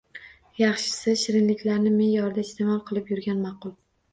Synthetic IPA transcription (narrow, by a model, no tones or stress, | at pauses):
jɑχʃɪ̥sɪʃɪɾɪnlɪkʲlaɾnɪmenjɒɾd̪aɪst̪ʰemɒlˠqʰɨlˠɪpjʊɾɡʲanmɑqʊlˠ